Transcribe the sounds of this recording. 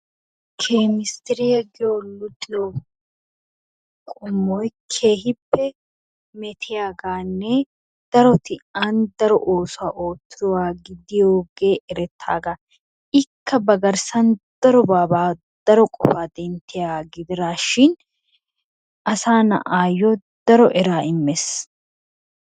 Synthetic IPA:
kʰeːmɪst̪ɪɾɪjɐɡoːlʊt̪ʼɪjɔ | kʼʊmːɔjkʰeːɦɪpːɛ | mɛt̪ʰɪjaːɡaːnːɛ | d̪̥ɐɾɔt̪ɪaːnd̪ɐɾɔ̰ʔo̞ːsʊaʔoːt̪ːɪɾɔwaːɡɪd̪ɪjoːɡe̞ːʔɛɾɛt̪ʰːa̰ːɡa | ɪkːɐbɐɡɐɾsɐnd̪̥ɐɾɔbaːbaː | d̪̥ɐɾɔkʼɔfaːd̪ɛnt̪ːɪjaːɡɪd̪ɪɾaːʃɪn | ʔɐsaːnɐ̰ʔaːjːɔ | d̪̥ɐɾɔʔɛɾaːɪmːes

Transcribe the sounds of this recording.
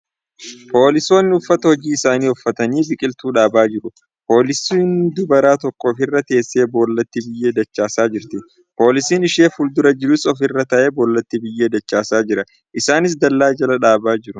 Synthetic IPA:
po̞ːlɪso̞ːnːɪʊfːɐt̪ɐhɔd͡ʒiːɪsaːniːʊfːɐt̪ɐniːbɪkʼɪlt̪uːᶑaːbaːd͡ʒɪɾʊ | po̞ːlɪsiːnd̪ʊbɐɾaːt̪ɔkːɔːfɪrːɐt̪e̞ːsːe̞ːbo̞ːlːɐt̪ːɪbɪjːe̞ːd̪ɐt͡ʃːaːsaːd͡ʒɪɾt̪ɪ | po̞ːlɪsiːnɪʃeːfʊld̪ʊɾɐd͡ʒɪɾʊsɔfɪrːɐt̪ɐʔeːboːlːɐt̪ːɪbɪjːeːd̪ɐt͡ʃːaːsaːd͡ʒɪɾɐ | ʔɪsaːnɪs̬d̪ɐlːaːd͡ʒɐlɐᶑaːbaːd͡ʒɪɾʊ

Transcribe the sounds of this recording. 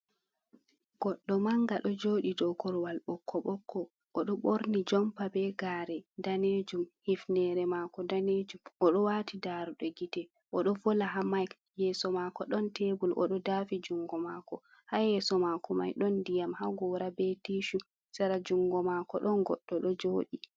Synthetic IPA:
ɡ̥ɔɗːɔmaŋɡaɗɔd͡ʒoːɗidɔkɔɾwalɓɔkʰːɔɓɔkʰːɔ | ʔɔɗɔɓoɾnid͡ʒɔmpabɛɡaːɾɛdaned͡ʒumhifnɛɾɛmakɔdaned͡ʒumʔɔɗɔwatidaɾuɗɔɡitɛ | ʔɔɗɔvɔlaɦamajk | jɛsɔmakɔɗɔntebulʔɔ̰ɗɔdafid͡ʒuŋɡɔmakɔ | hajɛsɔmakɔma̰jɗɔndijamhaɡɔɾabetiʃu | saɾad͡ʒuŋɡɔmakɔɗɔnɡɔɗːɔɗɔd͡ʒoːɗi

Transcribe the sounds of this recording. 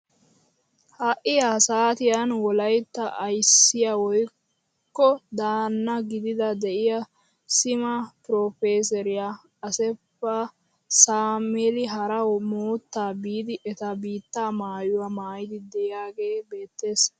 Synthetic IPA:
hɐʔɪjasaːt̪ɪjanwɔlɐjt̪ːɐʔɐjsːɪjɐwɔj | kːɔd̪aːnːɐɡɪd̪ɪd̪ɐd̪ɛʔɪjɐ | sɪmɐpɾɔfeːs̬ɛɾɪja | ɐsɛpːɐ | saːmɛlɪɦɐɾɐwmoːt̪ːaːbiːd̪ɪʔɛt̪ɐbiːt̪ːaːmaːjʊwɐmaːjɪd̪ɪd̪ɛʔɪjaːɡe̞ːbe̞ːt̪ːe̞ːs

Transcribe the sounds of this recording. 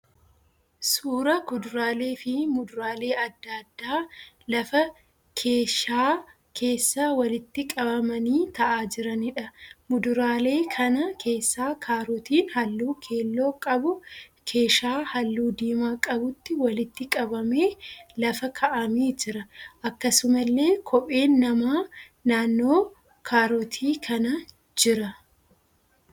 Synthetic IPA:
suːɾɐkʊd̪ʊɾaːle̞ːfɪmʊd̪ʊɾaːle̞ːɐd̪ːad̪ːaː | lɐfɐ | kʰeːʃaː | kʰe̞ːsːaːwɐlɪt̪ːɪkʼɐbɐmɐniːt̪ɐʔaːd͡ʒɪɾɐnɪᶑɐmʊd̪ʊɾaːle̞ːkʰɐnɐkʰe̞ːsːaːkʰaːɾʊt̪iːnhɐlːuːkʰe̞ːlːo̞ːkʼɐbʊkʰe̞ːʃaːhɐlːuːd̪iːmaːkʼɐbʊt̪ːɪwɐlɪt̪ːɪkʼɐbɐme̞ːlɐfɐkʰɐʔɐmiːd͡ʒɪɾɐʔɐkːɐsʊmɐlːe̞ːkʰɔpʼe̞ːnːɐmaː | naːnːo̞ː | kʰaːɾɔt̪ʰiːkʰɐnɐ | d͡ʒɪɾɐ

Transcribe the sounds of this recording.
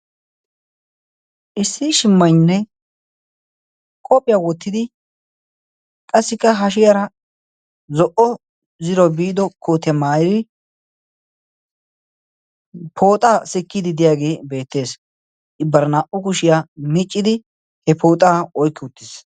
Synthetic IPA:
ʔɪsːɪʃɪmːɐjnːɛ | kʼɔpʼːɪjawɔt̪ːɪd̪ɪ | kʼɐsːɪkːɐɦɐʃɪjɐɾɐ | zɔʔɔ | zɪɾɔbiːd̪ɔkoːt̪jɐmaːjɪd̪ɪ | pʰo̞ːt̪ʼaːsɪkːɪd̪ɪd̪ɪjaːɡe̞ːbe̞ːt̪ːe̞ːs | ʔɪbːɐɾnaːʔʊkʊʃɪjaːmɪt͡ʃʼːɪd̪ɪ | hɛpʰoːt̪ʼaːɔjkːɪʊt̪ːɪs

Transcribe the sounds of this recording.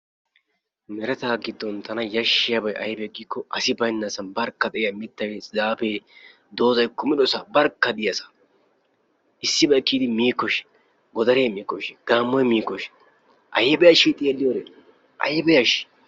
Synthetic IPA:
mɛɾɛt̪aːɡɪd̪ːɔnt̪ʰɐnɐjɐʃːɪjɐbɐjʔɐjbɛɡiːkːɔʔɐsɪbɐjnːɐsɐnbɐɾkːɐd̪ɛɪjɐmɪt̪ːɐjzaːpe | d̪o̞ːzɐjkʊmɪdɔsabɐɾkːɐd̪ɪjɐsɐ̥ | ɪsːɪbɐjkːiːd̪ɪmiːkːɔʃɪ̥ | ɡɔd̪ɐɾeːmiːkːɔʃɡ̥aːmːɔjmiːkːɔʃ | ʔɐ̰jɛbɛjɐʃɪt̪ʼeːlːɪjoːɾe | ʔɐ̰jɛbɛjɐʃɪ̥

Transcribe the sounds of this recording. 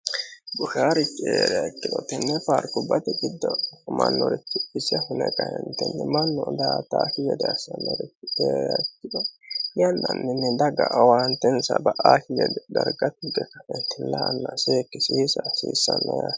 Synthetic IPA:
bʊʃaːɾɪtːɪeːɾɛjɐkːɪd̪ɔt̪ɪnːɛfaɾkʊbɐt̪ɛɡɪd̪ːɔmɐnːɔɾɪt̪ːɪɪsɛhʊnɛkʼɐjɛnt̪ɛnːɪmɐnːɔd̪aːt̪aːkɪɡɛd̪ɛɐsɐnːɔɾɪtːɪeːɾɛɐkːɪd̪ɔjɐnːɐnːɪnːɪd̪ɐɡɐʔːwaːnt̪ɛnsɐbɐʔaːkɪɡɛd̪ɛd̪ɐɾɡɐt̪ːɪɡɛkɐfɛnt̪ɪlːɐnːɐseːkːɪsiːsɐsiːsːɐnːɐja

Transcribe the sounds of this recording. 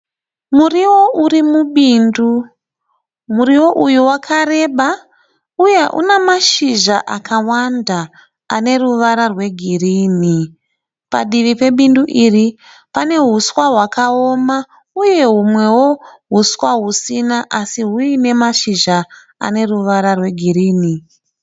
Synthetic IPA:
muriwo̞ʔurimuɓiːndu | muɾiwo̞ʔujuwakʰaɾe̞ɓa | uje̞ʔṵnemaʃiʒaʔakʰawandaː | ne̞ruʋaɾarwe̞ɡʱiriːni | pa̰ɗiʋipe̞ɓinduʔiri | pane̞ɦuswaɦwakao̞ma | uje̞ɦumwe̞wo̞ɦuswaɦusinaʔasiɦuine̞maʃiʒa | a̰ne̞ruʋaɾarwe̞ɡʱiɾiːni

